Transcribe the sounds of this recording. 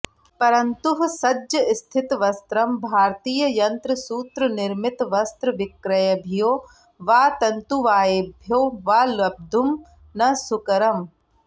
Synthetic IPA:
pɐɾɐnt̪uɦsɐd͡ʒjɐɪst̪ʰɪt̪ʋɐst̪ɾɐmbʱaːɾt̪iːjɐjɐnt̪ɾəsuːt̪ɾɐnɪɾmɪt̪ʋɐst̪ɾɐʋɪkɾɐjɐbʱijoː | ʋaːt̪ɐnt̪uʋaːjebʱjoːʋaːlɐb̚d̪ʱum | nɐsʊkɐɾɐm

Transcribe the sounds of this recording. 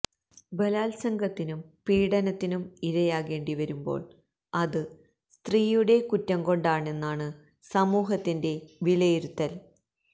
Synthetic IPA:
bɐlaːlsɐŋɡɐt̪ːinumpiːɽɐnɐt̪ːinumiɾɐjaːɣe̞ːɳɖiʋɐɾumbo̞̰ːɭ | ɐðɨ | st̪riːjuɽe̞kutːɐmko̞ɳɖaːɳe̞nːaːɳɨ | sɐmuːɦɐt̪ːinde̞ʋilɐjiɾut̪ːɐl

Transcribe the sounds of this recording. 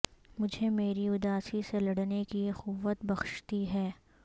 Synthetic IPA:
mʊd͡ʒʱemeːɾiʊd̪aːsiselɐɽnekiexʊʋːət̪bɐxʃt̪iɦɛː

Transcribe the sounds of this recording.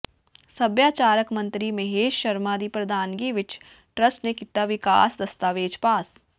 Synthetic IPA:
sɐbjaːt͡ʃaːɾəkmɐ̃nt̪ɾimeɦeːʃʃɐɾmaːd̪ipɾɐd̪ʱaːnɡiʋɪt͡ʃ | ʈɾəsʈnekɪt̪aʋɪka̰ːsd̪ɐst̪aːʋeːd͡ʒpaːs

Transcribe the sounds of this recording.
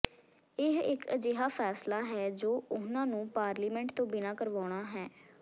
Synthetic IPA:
ɪɦɪkəd͡ʒeːɦaːpʰɛːslaːɦɛːd͡ʒoːʊnãːnũːpaːɾliːmɛ̃ɳʈt̪õːbɪnaːkəɾʋaːɽ̃aːɦɛː

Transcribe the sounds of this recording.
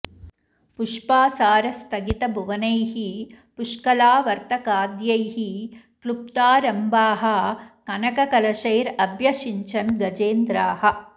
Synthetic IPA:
puʂpaːsaːɾɐst̪ʰɐɡit̪ɐbʱuʋɐnɐjɦi | puʂkɐlaːʋɐɾt̪ɐkaːd̪jɐjɦi | klup̚t̪aːɾɐmbaːɦɐkɐnɐkɐkɐlɐʃɐjɾɐbjɐʃiɲt͡ʃɐnɡɐd͡ʒeːnd̪ɾaːhɐ̆

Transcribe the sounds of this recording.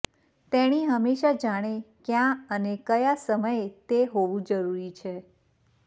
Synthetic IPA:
t̪eɽ̃iɦəmeʃad͡ʒaɽ̃ekjãənekəjasəməjet̪eɦoʋũd͡ʒəɾuɾit͡ʃʰe

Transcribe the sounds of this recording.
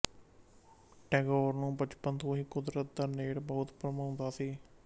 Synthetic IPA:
ʈɛːɡoːɾnũːpət͡ʃpənt̪ʰõːɦiːkʊd̪ɾət̪̚d̪aːneːɽbɔʊt̪pɾəmaʊnd̪aːsiː

